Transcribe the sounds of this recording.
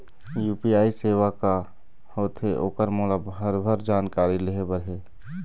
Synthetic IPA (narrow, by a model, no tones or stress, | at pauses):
juːpiaːiseːʋaka | hoːt̪ʰɦeʔoːkəɾmɔːləbɦəɾbʱəɾd͡ʒaːnkaːɾileɦebəɾɦɛː